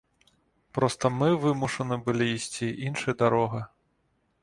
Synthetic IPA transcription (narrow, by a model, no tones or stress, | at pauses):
pɾɔst̪ɐmɨvɨmuʂɐnɨbɨlʲiːsʲt͡sʲiʔinʂɨjɐd̪aɾɔɣɐ